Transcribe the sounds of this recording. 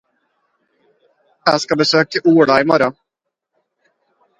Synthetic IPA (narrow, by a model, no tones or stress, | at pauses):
jæːskɑbəsøːk̚t̪ʰɪuːɽɑiːmɔɾɔ